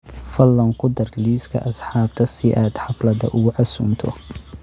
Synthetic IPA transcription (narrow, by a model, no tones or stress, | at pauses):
fɐlːɐŋkʰʊd̪ɐrliːskʰɐ̰ʔɐsħɑːb̚t̪ʰɐsɪʔaːd̪ħɑflɐðɐ̰ʔʊɣʊʕɑsṵːnt̪ʰɔ̰